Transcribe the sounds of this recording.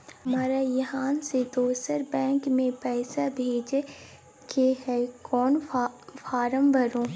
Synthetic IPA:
maːɾajəɦaːnsed̪oːsəɾbɛ̃ːŋkmẽpɛːsabʱeːd͡ʒe | keɦɛkɔːnfʰaːɾə̃mbʱəɾõː

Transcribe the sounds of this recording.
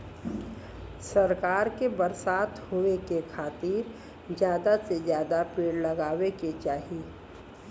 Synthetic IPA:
sɐɾkaːɾkebəɾsaːt̪hoekekʰaːt̪iːɾ | d͡ʒjaːd̪asezjaːd̪apeːɽlɐɡaːʋeket͡ʃaːɦi

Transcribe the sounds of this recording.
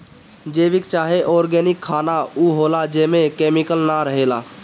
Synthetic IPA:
d͡ʒeːʋɪkt͡ʃaːɦeʔɔːɾɡɛːnɪkʰːaːnauːɦoːlad͡ʒeːmẽkeːmɪkəlnaɾəɦeːla̰ː

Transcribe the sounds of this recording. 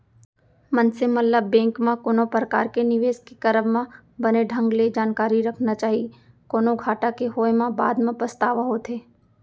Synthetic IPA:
mənsemət̪ləbːɛ̃ːŋkmãkoːnopɾəka̰ːɾkenɪʋeːskekəɾəbmã | bəneɖʱə̃ŋɡled͡ʒaːnkaːɾiɾɐkʰnat͡ʃaːɦie | koːnoɡʱaːʈakeɦoːjmãba̰ːd̪mãpəst̪aːʋaɦoːt̪ɦeː

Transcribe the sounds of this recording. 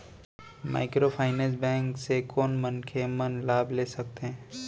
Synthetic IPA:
ma̰ːɪkɾopʰaːɪnɛ̃ːs̬bɛ̃ːŋksekɔːnmənkʰemɐnlaːbʱleːsɐk̚t̪eɦɛ̃ː

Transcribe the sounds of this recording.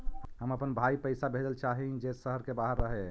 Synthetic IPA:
ɦəməpənbʱaipəjsabʱed̪əlt͡ʃaɦid͡ʒesəɦəɾkebaɦəɾːəɦe

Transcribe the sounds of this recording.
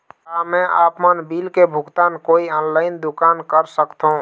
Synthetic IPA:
amɛ̃ʔa̰ːpmənbilkebʱʊɡt̪aːnkoːiɔnlaːɪnd̪ʊkaːnkəɾsəkt̪ɦũ

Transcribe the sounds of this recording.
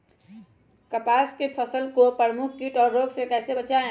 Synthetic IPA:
kəpaskepʰəsəlkopəɾəmuk̚ʰkuʈɔːɾːoːɡsekɛːsebət͡ʃaẽ

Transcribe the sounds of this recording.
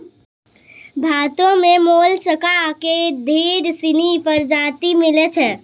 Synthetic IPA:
bʱat̪õmemolt͡ʃəkaked̪ʱeɾsinipəɾd͡ʒat̪imilɛt͡ʃʰɛ

